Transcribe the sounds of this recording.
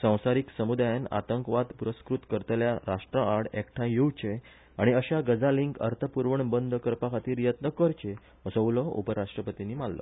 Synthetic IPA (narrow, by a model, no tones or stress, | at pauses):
sə̃w̃saɾiksəmud̪ajana̰t̪əŋkʋad̪puɾəskɾut̪kəɾt̪eljaɾaʂʈɾəaɽekʈʰãjuwt͡ɕe | aɽ̃iəɕaɡəd͡zaliŋkə̰ɾt̪ʰəpuɾʋəɳbənd̪ʱkəɾpakʰat̪iːɾijət̪nəkəɾt͡ɕe | əsəwləṵpəɾaʂʈɾəpət̪iniːmallə̰